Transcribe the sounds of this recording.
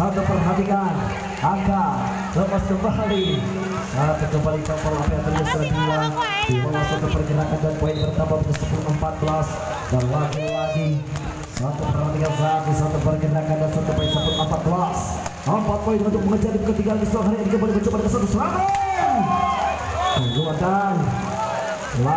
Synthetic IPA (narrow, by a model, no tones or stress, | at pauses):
sat̪upərɦat̪ikan | aka | ləpaskəmbali | səaɾat̪akəmbalikapalapɛat̪əɾɡasəɾadiwad̥iwolasat̪upərɡənakandanpɔɪnbərt̪ambapəkəsəpuluxəmpat̪̚ɡəlas | danlaɡalaɡi | səlat̪upəɾant̪iɡazak̪̚isat̪upərɡənakandansat̪upɔɪnsapulʔəmpat̪̚ɡəlas | əmpat̪̚poɪnunt̪ʊk̚məŋəd͡ʒadipkət̪iɡalaɡislamɦaɾiadikəbalikət͡ʃupadakəswat̪usəlaman | təɡulad̪an | la